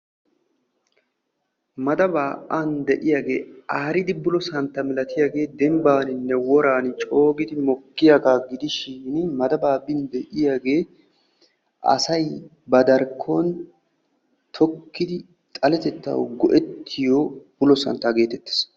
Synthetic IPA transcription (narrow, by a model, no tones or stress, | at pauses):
mɐd̪ɐbaːʔand̪ɛʔɪjaɡe̞ːaːɾɪd̪ɪbʊlɔsɐnt̪ːɐmɪlɐt̪ɪjaɡe̞ːd̪ɛmbaːnɪnːɛwɔɾaːnt͡ʃʼo̞ːɡɪd̪ɪmɔkːɪjaɡaːɡɪd̪ɪʃɪnmɐd̪ɐbaːbɪnd̪ɛʔɪjaɡe̞ː | ʔɐ̰sɐj | bɐd̪ɐɾkʰːon | t̪ʰɔkːɪd̪ɪ | t̪ʼɐlɛt̪ɛt̪ːɐ̰wɡɔʔɛt̪ʰːɪjoːb̥ʊlɔsɐ̰nt̪ːɐɡeːt̪ɛt̪ːɪ̥s